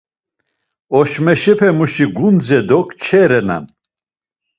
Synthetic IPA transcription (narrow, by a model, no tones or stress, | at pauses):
ɔʃmɛʃɛpʰɛmuʃiɡund͡zɛd̪ɔkʰt͡ʃʰɛɾɛna̰n